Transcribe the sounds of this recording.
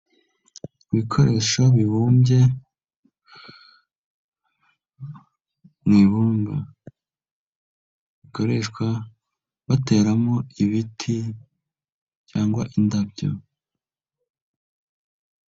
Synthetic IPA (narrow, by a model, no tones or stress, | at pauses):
βikʰo̞ɾe̞ːʃoβiβuːmje̞ | nwiːβuːmɡa | βiko̞ɾe̞ːʃkwa | βate̞ːɾamoiβitʰi | caːŋɡwaʔindabɟo̰